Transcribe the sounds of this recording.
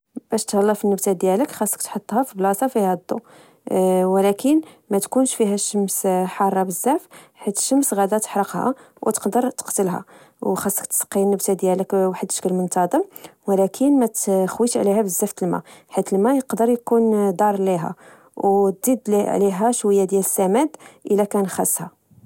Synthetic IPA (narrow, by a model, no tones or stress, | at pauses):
bæʃt̪hɑlːɑfinːəbt̪ad̪jæləkxɑsˤːə̥k̚t̪ħot̪ˤːhæfiblɑsɑfihæd̪ːṵ | wəlækʰən | mæt̪kunʃfiɦæʃːəmsħɑrˤːɑbəzːæf | ħit̪ʃəmsɣæd̪æt̪ə̥ħɾəqhæ̰ | wt̪ə̥qd̪əɾt̪ə̥qt̪əlɦæ̰ | wxɑsːə̥kt̪ə̥sqːinːəbt̪æd̪jæləkwaħəd̪ə̥ʃkəlmənt̪ɑd̪ˤəmwlækʰənmæt̪xwiʃʕlihæbəzːæft̪əlmæ̰ħit̪əlmæjəqd̪əɾjkund̪ˤɑɾˤliɦæ̰ | wd̪id̪liʕliɦæʃwəjːad̪jæləsːæmæd̪ʔəlækænxæsːhæ